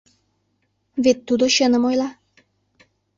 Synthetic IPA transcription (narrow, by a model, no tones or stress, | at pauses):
βet̪ːud̪oɕənə̆mojlˠɑ